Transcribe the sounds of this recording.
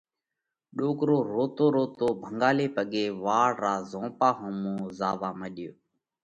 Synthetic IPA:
ɗoːkɾoːɾoːt̪oːɾoːt̪oːbʱəŋɡaːleːpəɠeːʋaːɽɾaːzõːpaːɦõmõːzaːʋaːməɗɪjoː

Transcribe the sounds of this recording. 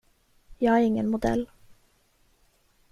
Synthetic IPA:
jɑæɾɪŋːənmʊd̪ɛ̰lː

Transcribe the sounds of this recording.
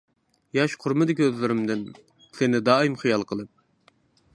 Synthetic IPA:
jɑʃqʰʊɾmɨd̪ɪkʲøzlɪɾɪmd̪ɪn | sɪnɪd̪ɑːimχijɑlˠqʰəlˠɨp̚

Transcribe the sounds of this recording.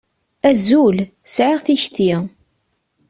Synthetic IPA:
æzul | sʕɪʁθiçt̪i

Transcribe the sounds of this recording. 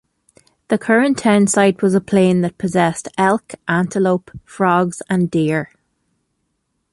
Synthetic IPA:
ðəkʰɜɹə̃ntʰãɪ̃nsaɪd̚wɒzəpʰl̥ẽːnðət̚pʰəzɛstɛlˠkʔãntəloʊpfɹɔɡz̥ə̃ndiəɹ

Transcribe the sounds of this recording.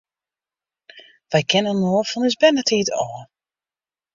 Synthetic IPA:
ʋɛjkʰɛnənnoːfɔnɪsbɛnətʰiətɔː

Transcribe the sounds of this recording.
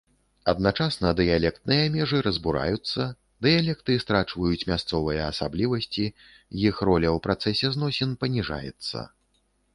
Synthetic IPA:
ɐd̪̚nat͡ʂasnɐd̪ɨjalʲɛk̚t̪̚nɨjɐmʲɛʐɨɾɐzbuɾa̰jut̪sːɐ | d̪ɨjalʲɛk̚t̪ɨst̪ɾat͡ʂvɐjut͡sʲmʲast̪sɔvɨjɐːsablʲivɐsʲt͡sʲi | jixrɔlʲɐwpɾat̪sɛsʲɛznɔsʲɛnpɐnʲiʐa̰jɛ̰t̪sːɐ̰

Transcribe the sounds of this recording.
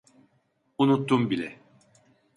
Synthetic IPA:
unut̪ːumbilʲɛ

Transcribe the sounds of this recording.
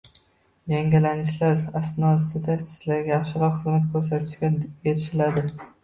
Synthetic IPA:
jaŋɡʲalanɪʃlaɾast̪nɒɪsɪd̪asɪ̥z̥laɾɡʲaɑχʃɪɾɒqχɨzmat̪kʰɵɾs̬at̪ʰɪ̥ʃkʲajeɾʃɪlad̪ɪ

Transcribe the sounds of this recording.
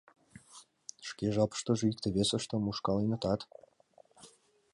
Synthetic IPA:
ʃkeʒɑpə̥ʃt̪ə̆ʒĕikt̪eβʲesə̆ʃt̪ɤ̆muʃkɑlenə̆t̪ɑt̪

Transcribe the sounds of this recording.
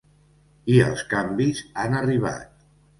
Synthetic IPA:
iə̰lˠskambizanəriβ̞a̰t̪̚

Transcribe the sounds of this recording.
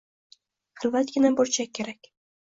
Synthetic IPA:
hɨlˠvat̪ɡʲɪnaboɾt͡ʃʰaːeɾakʲ

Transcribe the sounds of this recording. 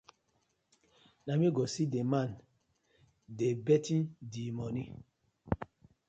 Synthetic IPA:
namiɡɔsideman | debɛtĩndimɔni

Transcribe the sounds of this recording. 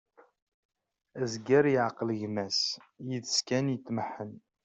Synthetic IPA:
æzɡəɾjəʕqələʝmæsjəðəskænjət͡s̪ːməħːən

